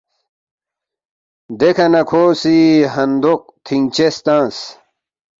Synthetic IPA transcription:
d̪ekʰɐnɐkʰoːsiɦɐnd̪oq̚t̪ʰiŋt͡ɕest̪ãːs

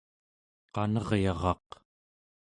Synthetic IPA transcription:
qɑnʌʁjɑʁɑq

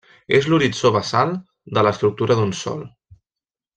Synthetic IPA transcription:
ezluɾit͡soβəsalˠ | d̪ələst̪ɾuk̚t̪uɾəðunsɔ̰lˠ

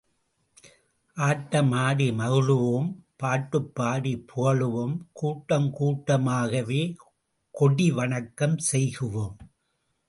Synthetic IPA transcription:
ʔaːʈːɐmaːɽimɐɣɯɭɯʋompaːʈːɯpːaːɽipʰʊɣɐɭɯʋɯmkuːʈːɐmkuːʈːɐmaːɣɐʋeː | kɔɽiʋɐɳɐkːɐmsɛjɣɯʋoːm

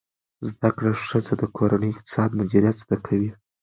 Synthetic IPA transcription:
zd̪akɽaʂəzad̪əkʰoɾanəjɪq̚t̪ɪ̥sɑd̪mʊd͡ʒiɾjat̪z̥d̪̥akʰawi

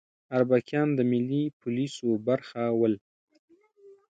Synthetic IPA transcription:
aɾbakjɑnd̪əmɪlːipʰʊlisobaɾxawəl

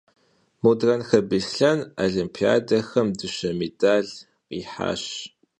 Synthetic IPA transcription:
mudrɐnxɐbiɬɬɐnaɮimpʰia̰ːdɐxɐmdɨɕɐmedaːɮ | qiːħa̰ːɕ

